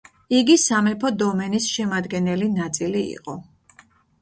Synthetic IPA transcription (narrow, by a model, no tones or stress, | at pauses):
iɡisamɛpʰɔd̪ɔmɛnisʃɛmad̪ɡɛnɛlinat̪sʼiliḭqʼɔ